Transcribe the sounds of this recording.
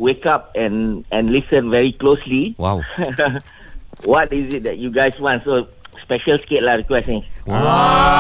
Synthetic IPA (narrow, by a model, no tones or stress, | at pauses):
wekap̚ɛ̃nɛ̃nlisə̃nvɛɹiklosliwa | wɔtizit̚dɛt̚juɡaɪswɔ̃ntso | spɛʃəlsket̚ladəkwɛstə̃nsa